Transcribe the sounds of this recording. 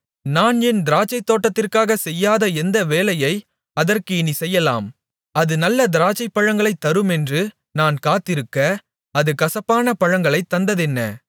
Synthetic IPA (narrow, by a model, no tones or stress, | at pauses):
naːnɛnd̪ɪɾaːt͡ʃːɐɪt̪ːoːʈːɐt̪ːɪrkaːɣɐsɛjːaːðɐɛnd̪ɐʋeːlɐjɐɪ | ɐðɐrkɯɪnisɛjːɐla̰ːm | ɐðɯnɐlːɐd̪ɪɾaːt͡ʃːɐɪpːɐɻɐŋɡɐɭɐɪt̪ːɐɾɯmɛndrɯ | naːnkaːt̪ːɪɾɯkːɐ | ɐðɯkɐsɐpːaːnɐpɐɻɐŋɡɐɭɐɪt̪ːɐnd̪ɐðɛnːɐ̰